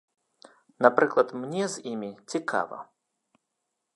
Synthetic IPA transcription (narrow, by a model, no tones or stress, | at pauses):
napɾɨklˠɐt̪mnʲɛzʲimʲit͡sʲikʰa̰vɐ̰